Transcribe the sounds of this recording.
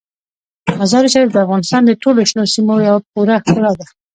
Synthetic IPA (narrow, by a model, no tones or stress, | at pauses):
mazɑɾiʃɑɾifd̪əafɣɑnɪst̪ɑnd̪əʈoloʃnosimojawap̚uɾaxkəlad̪a